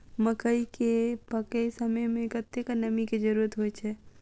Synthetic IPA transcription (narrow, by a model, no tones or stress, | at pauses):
məkəikepəkejsəməmẽkət̪ːekənəmiked͡ʒəɾuɾət̪ɦojt͡ʃʰɛ